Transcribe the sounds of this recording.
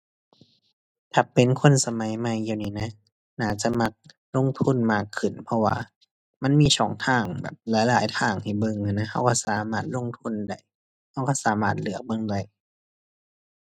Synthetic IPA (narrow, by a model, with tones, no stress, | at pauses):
t̪ʰa˧˩pe˨nkʰo˧˥˨nsa˧ma˨˦jma˧˨jːaː˧˩wniː˧˩na˧˥ | naː˧˩t͡ɕa˧˦ma˧˥k̚ | lo˧˥˨ŋt̪ʰu˧˥˨nmaː˧˩kʰːɯ˨˩npʰɔ˧waː˧ | ma˧˥˨nmiː˧˥˨sɔː˨˦ŋt̪ʰaː˧˩ŋbɛ̰ː˨˩p̚laː˨˦jlaː˨˩˦jt̪ʰaː˧˩ŋt̪ʰa˧˨˩jbɤ˧˨ŋha˧˩na˧˥ha˧˥˨wkɔː˧˥˩saː˨˦maː˧˩t̪̚lo˧˥˨ŋt̪ʰu˧˥˨nda˧˩j | ha˧˥˩wkɔ˧˩saː˨˦maː˧˩t̪̚lɯ˨˦ək̚bɤ˧˨ŋda˧˩j